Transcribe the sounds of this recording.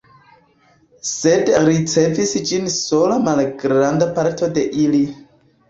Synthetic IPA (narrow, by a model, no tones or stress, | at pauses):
sedɾit͡se̞visd͡ʒinso̞lamalɡɾandapaɾtʰo̞de̞ʔili